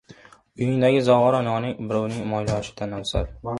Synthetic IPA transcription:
ʊjɪŋd̪aɡʲɪzɒʁɒɾanɒnɪŋbɪɾɒwnɪŋmɒjlɒʃɪ̥d̪anawsa̰ɾ

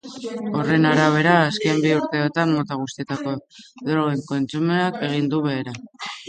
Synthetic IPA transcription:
o̞re̞naɾaβ̞e̞ɾaːske̞mbiuɾt̪eot̪ammːo̞t̪aɣ̞ust̪iet̪ako̞ðoɾɣeŋko̞nt͡sumeake̞ɣ̞ind̪uβe̞ːɾa

